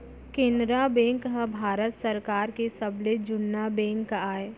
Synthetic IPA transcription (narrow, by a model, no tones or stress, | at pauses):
kẽːnd̪ɾabɛ̃ːŋkɦəbʱaːɾət̪səɾkaːɾkesɐbled͡ʒʊnːabɛ̃ːŋkaːe